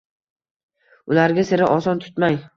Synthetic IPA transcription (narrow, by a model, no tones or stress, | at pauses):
ʊlaɾɡʲasɪɾɪʔɒsɒnt̪ʰʊ̥t̪maj